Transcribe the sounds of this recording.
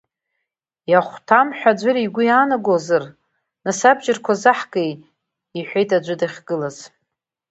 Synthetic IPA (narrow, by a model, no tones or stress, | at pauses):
jaχʷtʰamħʷᶣad͡ʒʷɨɾiɡʷʊjaːnaɡozɨr | nasabd͡ʒɪrkʷʰazaħɡʼej | iħʷᶣejtʼad͡ʒʷɨdaχʲɡ̥ɨlaz̥